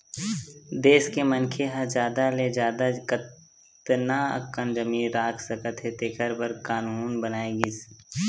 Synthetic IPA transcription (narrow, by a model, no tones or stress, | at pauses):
d̪eːskemənkʰeɦɐd͡ʒaːd̪aled͡ʒaːd̪akə | t̪naːɐ̰kːənd͡ʒəmiːɾaːkʰsɐkət̪ʰɦet̪eːkʰəɾbəɾkaːnuːnbənaːeɡis